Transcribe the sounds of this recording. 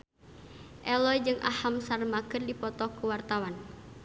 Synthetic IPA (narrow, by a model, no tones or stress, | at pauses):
ʔɛlɔjd͡ʒɨŋʔa̰hamsarmakɨrdipɔt̪ɔkuwart̪awan